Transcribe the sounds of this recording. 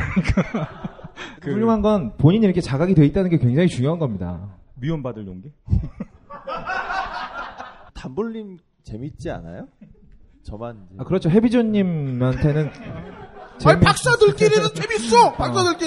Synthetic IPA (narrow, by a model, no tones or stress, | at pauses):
ika | uʎːjoŋɦanɡʌnpoɲiɲiɾʌkʰe̞t͡ɕaɡaɡidwe̞it̚t͈anɯnŋɡekwe̞ŋd͡ʑaŋit͡ɕuŋjoɦanɡʌmɲida̰ | mionbadɯɭjoŋɡe | tambuʎːim | t͡ɕe̞mit̚t͡ɕ͈ia̰na̰jo | t͡ɕʌmanakɯɾʌt͡ɕʰoɦe̞bid͡ʑoɲːimantʰe̞nɯn | t͡ɕeɭpak̚s͈adɯɭk͈ʼiɾinɯnt͡ɕʰʼemis͈opaks͈adɯɭk͈i